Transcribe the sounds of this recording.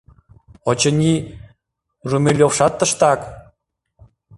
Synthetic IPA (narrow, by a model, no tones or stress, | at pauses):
ot͡ɕə̆nʲi | rumʲelʲofʃɑt̪ːə̆ʃt̪ɑk